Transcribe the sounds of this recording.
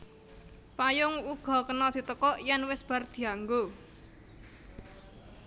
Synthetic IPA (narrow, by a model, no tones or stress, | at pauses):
pajʊŋuɡ̥ɔ̤kənɔd̪̥i̤t̪əkɔʔjɛnwɪsb̥a̤rd̪̥i̤aŋɡo